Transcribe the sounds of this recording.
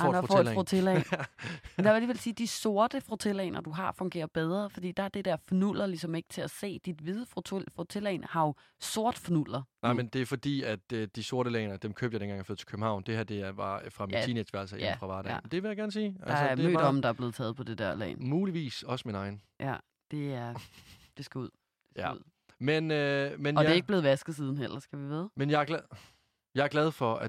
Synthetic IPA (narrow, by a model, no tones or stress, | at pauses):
ffot͡sʰelɛ | æʋædiʋelsiːd̥iso̝ɐd̥əfʁot͡sʰe̝lɛ̰nɐd̥uɦɑ̈fɔ̽ŋɡe̝̰ːɐb̥eð̞ˠʁɐfɒ̽d̥ḭːd̥ɑ̈æɐd̥e̝d̥ɛɐ̰fnul̰ɐlisɒ̽me̝ɡ̥t͡sʰe̝æse̝̰ːd̥id̥ʋið̞ˠəfʰfʁot͡sʰe̝lɛ̰ːnhɑ̈o | so̝ɐd̥fnul̰ɐnɑɪmend̥e̝æɐfɒ̽d̥ḭːæd̥d̥iso̝ɐɾ̥əlɛ̰ːnɐd̥emkʰøb̥jdenɡɑŋjɐføːð̩ˠt͡s̝ʰkʰøb̥m̩hɑ̈ʊnd̥ehæɐ̰d̥e̝ʋɑ̈fʁɑ̈minnt͡sʰiːne̥sʋæɐlsɐefʁɑ̈ʋɑ̈ːɾ̥ɛ̰mnd̥e̝ʋejäɡ̥æɐnsiːælsəɐmø̰ːd̥ɒ̽mn̩d̥ɑ̈æɐble̝ːð̩ˠʰɛːð̞̩ˠpʰɒ̽d̥e̝d̥æɐ̰lɛ̰ːnmuːliʋḭːsɒ̽səminɑ̈ɪn̩ | ʔæ | d̥e̝æɐd̥e̝sɡ̥æuð̰ˠ | menømenɒdeɐeɡ̚b̥le̝ːð̩ˠʋæsɡ̥ð̩ˠsiːð̞ˠn̩ɦel̰ɐsɡ̥æʋiʋe̝ð̞ˠmenjɑ̈æɐɡ̥l | jɑ̈æɐɡ̥lɛð̞̩ˠfɒ̽æ